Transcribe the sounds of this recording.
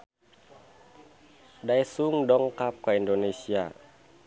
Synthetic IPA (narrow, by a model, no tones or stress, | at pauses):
dajsuŋdɔŋkap̚kaindonesia̰